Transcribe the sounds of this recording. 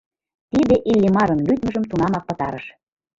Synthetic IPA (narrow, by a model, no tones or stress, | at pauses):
t̪id̪eʔilʲːimɑɾə̆nlyt̪mə̆ʒə̆mt̪unɑmɑk̚pɤ̆t̪ɑɾəʃ